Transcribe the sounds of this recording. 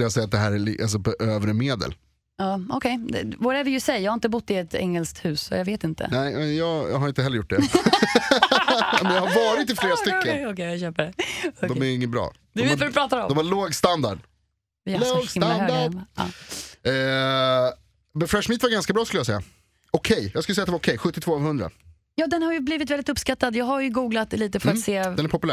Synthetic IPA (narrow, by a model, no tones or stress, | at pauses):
ləjasɛjːat̪̚d̪ɛɦæːɾɛlḭals̬ɔpɔʔøːvɾəmeːd̪ə̰l | ɑːɔkʰɛjd̪ɛ̰voːɾɛvɪjəsɛjjɑhaɪnt̪̬əbʊt̪ːɪɛt̪ɛ̰ŋːɛlskt̪hʉ̟ːsɔ̰javeːt̪ɪnt̪ə̰nɛɪmɛjɑːɡj̰ɦaɾɪnt̪əɦɛlːəɾjʊʈ̚ːdɛ | mɛnjahaɾvɑːɾɪt̪ɪfleːɾast̪ʏkːənɔkɛjaøːpəɖɛd̪ɔmæɾɪŋːənbɾɑ̰ː | d̪ɔmafɔdpʰɾɑːt̪aɾɔ̰mɔmhaɾɭoːɡst̪and̪a̰ɖ | vɪlosand̪aʔɑ̰ː | mɛfɾɛʂmɪt̪vaɾɡanskabɾɑːskɵləjasɛjːa̰ | ɔkʰɛjjɑɡskɵləsɛjat̪d̪vaɾɔkʰɛjɧɵt̪ːɪt̪ʰvoːavhɵnd̪ɾa̰ | jɑːd̪ɛnhaɾjɵbliːvɪt̪vɛldɪt̪ɵpːskat̪ːad̪jɑːɡɦaɾjɵɡuːɡlat̪liːt̪əfœɾat̪seːɛnæɾpʰɔpɵlæ